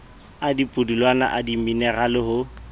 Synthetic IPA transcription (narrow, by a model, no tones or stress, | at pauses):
adipʼʊdilwana̰ʔadiminɛralɪɦʊ